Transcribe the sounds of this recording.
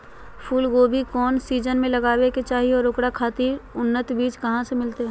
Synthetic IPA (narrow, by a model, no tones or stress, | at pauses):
pʰuːlɡoːbʱikɔːnsiːd͡ʒənmẽlɐɡaːweket͡ʃaːɦiɔːɾʊkɽakʰaːt̪iːɾʊnːət̪biːd͡ʒkɐɦãsemɪlt̪eɦɛ̃